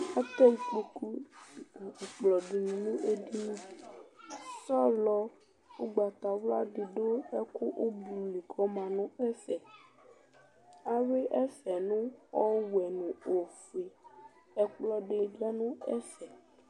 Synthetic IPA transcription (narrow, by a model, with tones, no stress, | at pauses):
a˦t̪ɔ˦˨k͡po˨ku˦˨ | k͡plɔ˨di˨nũ˨nũ˦e˦ɖi˦˨ | sa˦lɔ˦ | wo˦ɡ͡ba˨t̪a˨wla˦ɖi˨ɖo˦ɛ˦ku˦ʔo˦bu˨u˨li˨kʰɔ˦mã˨nũ˦ɛ˦sɛ˨ | a˦we˦ʔɛ˦sɛ˨nũ˦ɔ˦wɛ˨nũ˨o˨fe˨ | ɛ˨k͡plɔ˨ɖe˨da˦nũ˦ɛ˦sɛ˨